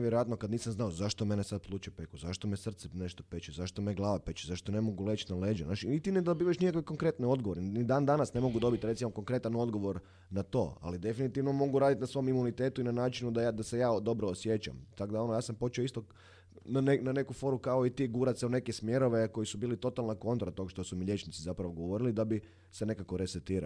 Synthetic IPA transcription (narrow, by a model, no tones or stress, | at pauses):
ʋjeɾojat̪nokad̪niːsamznaozaʃt̪ome̞nesad̪̚plˠuːt͡ʃepekuzaʃt̪omesr̩t̪sɛneʃt̪opet͡ʃuzaʃt̪omeɡlˠaːʋapet͡ʃuzaʃt̪onemoɡulˠe̞ːt͡ʃnaleːd͡ʒɛ̰naːʃinit̪ined̪obiːʋaʃnikakʋeko̞ŋkɾe̞t̪nio̞d̪ɡoʋo̞ɾenid̪aːnd̪anasne̞mo̞ɡud̪o̞bit̪ɾesimoko̞ŋkɾe̞t̪ano̞d̪ɡo̞ʋo̞ɾ | nat̪o̞̰ːa̰lid̪e̞finit̪iʋnomo̞ɡuɾaːd̪it̪nasʋo̞mimunit̪et̪uinanaːt͡ʃinud̪ajad̪ase̞jaːd̪o̞bɾoːsje̞t͡ʃa̰mt̪akd̪ao̞nojaːsampo̞t͡ʃeoist̪o | nanenane̞kufo̞ɾukaoit̪iɡuɾat̪seune̞kesmje̞ɾo̞ʋeko̞jisubiːlit̪o̞t̪alnako̞nt̪oɾat̪o̞ɡaʃt̪o̞sumiʎje̞t͡ʃnit̪sizapɾaʋoɡo̞ʋo̞ɾilid̪abi | sene̞kakoɾeset̪iːɾa̰